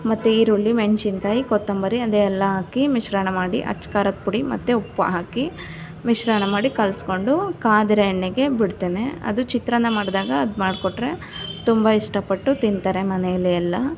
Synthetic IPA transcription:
mɐt̪ːeiːɾuɭːiment͡ʃinkaːjikot̪ːɐmbɐɾiɐd̪eːɛlːɐɦaːkimiʃɾaːɳɐmaːɽḭʔɐ̰t͡ʃːkaːɾɐt̪̚puɽimɐ̰t̪ːeupːɐ̰ɦaːki | miʂɾaːɳɐmaːɽikɐlsko̞ɳɖukaːd̪ɾɐjɐɳːiɡe̞biɽt̪eːneɐ̰d̪ut͡ʃit̪ɾɐnːɐmaːɽd̪aːɡɐɐd̪maːɖkoʈːɾe̞ | t̪umbɐiʂʈɐpɐʈːut̪int̪aːɾemɐnɛjɐlːiɐlːɐ

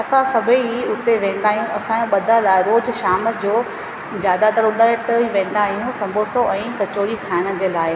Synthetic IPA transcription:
ɐsãsɐbʱiʊt̪eʋẽːn̆d̪aːɦijũɐsãoɓɐd̪ʱalaːɪɾoːd͡ʑʃaːmə̆d͡ʑoː | d͡ʑjaːd̪at̪ɐɾʊɗəəʈiʋẽːn̆d̪aːɦijũsɐ̃mbʱoːsoʔɛ̃ːkɐt͡ɕoːɽikʰaːɪɽ̃ə̆d͡ʑeːlaːɪ

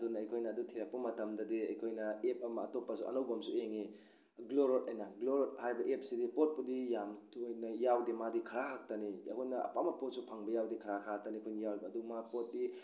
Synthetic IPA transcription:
dunɐjkʰojnɐːdutʰiɾɐk̚pːumɐtɐmdɐdiɐjkʰojnɐep̚ɐmɐːtopːasuʔɐ̰nowbɐmsueŋi | ɡloɾotajnɐɡloɾothajbɐʔep̚sidipot̚pudijamtʰujnɐjawdimadikʰɐɾaɦak̚tɐnḭkʰojnɐɐ̰pamapot̚supʰaŋbɐjawdikʰɐɾakʰɾaak̚tɐnikʰojnɐjawlbɐːdumapot̚di

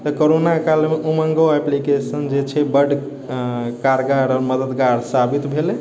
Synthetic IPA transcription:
t̪əkoɾonakalmeʔuməŋɡoeplikesənd͡ʒet͡ʃʰɛbəɖ | kaɾɡaɾɔːɾməd̪əd̪ɡaɾsabit̪bʱele

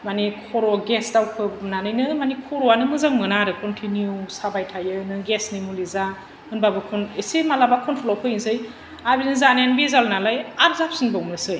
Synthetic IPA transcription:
manikʰɔɾɔɡesdawpʰɯmnanɯjnɯmanikʰɔɾɔanɯmɯzaŋmɯnaɾɯkɔntʰinjusabajtʰajɯnɯɡesnimuliza | ɯnbabɯkʰɔnesemalabakʰɔntʰɔlawpʰɯinzɯj | abinɯzanjanbizalnalajap̚zap̚sinbɔwnɯsɯj

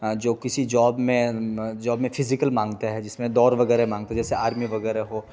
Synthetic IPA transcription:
d͡ʒoːkɪsid͡ʒɔːbmẽd͡ʒɔːbmẽfʰɪzɪkəlmãːŋɡt̪aɦɛd͡ʒɪsmẽd̪ɔːɾʋɐɡɛːɾemãːŋɡt̪aɦɛd͡ʒɛːseaːɾmiʋɐɡɛːɾeɦoː

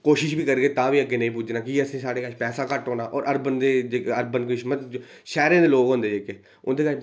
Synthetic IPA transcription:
koːʃɪʃbiːkəɾɡeːt̪ãːʋiːəɡːeːnə̃ĩːpud͡ʒnãːkɪəsĩːsaːɽeːkaːʃpɛːsaːkəʈɦoːnaːʔɔːɾʔəɾbənd̪eːd͡ʒeːkːəɾbənkɪʃmət̪ | ʃɛːɾẽːd̪eːloːɡɦʊ̃nd̪eːd͡ʒeːkeː | ʊnd̪eːka

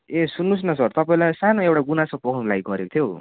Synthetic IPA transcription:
esunːus̬nʌsʌrt̪ʌpaĩlajsanoewʈaɡunasʌpokʰnulajɡʌɾekt̪ʰjo

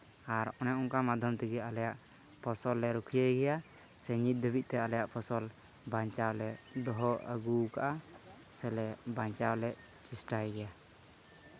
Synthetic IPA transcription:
aɾɔnɛʔɔŋkamad̪ʱɔmt̪iɡɛalɛjaʔ | pʰɔsɔlːɛɾukʰijəjɡɛja | sɛɲit̪̚d̪əbit̪̚t̪ɛalɛjaʔpʰɔsɔl | baɲt͡ʃawlɛʔd̪ɔɦɔə̰ɡuka̰ʔa | sɛlɛbaɲt͡ʃawlɛʔ | t͡ʃisʈajɡɛja

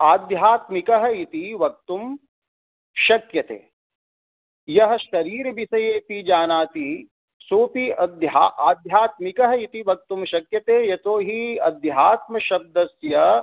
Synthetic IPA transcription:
aːd̪ʱjaːt̪mikɐɦɐ̆it̪iʋɐk̚t̪um | ʃɐkjɐt̪ḛː | jɐɦɐ̆ʃɐɾiːɾɐbʱisɐjeːpid͡ʒaːnaːt̪i | soːp̪iɐd̪ja̰ːʔaːd̪ʱjaːt̪̚mikɐɦɐit̪iʋɐk̚t̪umʃɐkjɐt̪eːjɐt̪oːɦiɐ̰d̪jɦaːt̪̚mɐʃɐb̚d̪ɐsjɐ

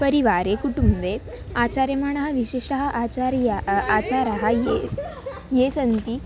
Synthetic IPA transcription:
pəɾiʋaɾekuʈumbe | at͡ɕaɾjmaɳ̃aɦaʋiɕiʂʈəɦaʔat͡ɕaɾjaat͡ɕaɾaɦaje | jesənt̪i

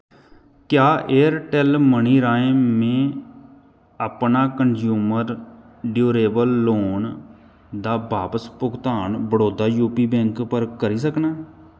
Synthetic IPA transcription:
kjaːʔeːəɾʈɛlməɳiːɾaːẽːmẽː | əpnaːkənd͡ʒjuːməɾ | ɖjoːɾeːbəlːoːn | d̪aːbaːpəspʊkt̪aːnbəɽoːd̪aːjuːpiːbɛ̃ːŋkpəɾkəɾiːs̬əknaː

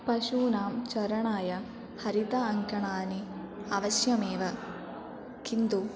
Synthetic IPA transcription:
pɐʃuːnaːmt͡ʃɐɾɐɳaːjɐ | hɐɾit̪ɐɐŋkɐɳaːniɐʋɐʃjɐmeːʋɐ | kind̪u

